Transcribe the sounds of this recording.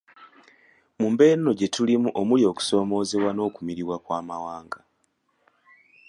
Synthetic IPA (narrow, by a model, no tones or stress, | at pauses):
muːmbe̞nnoɟe̞tulimuʔomuljo̞ːku̥so̞ːmo̞ːzeβwano̞ːkumiɾiβwakwaːmawaːŋɡa